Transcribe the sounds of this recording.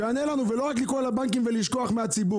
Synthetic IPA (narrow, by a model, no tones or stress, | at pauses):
ʃeanelanuvelo̞ʁaklikʁoelabaŋk̬imveliʃ̬ko̞aχmeat͡sibu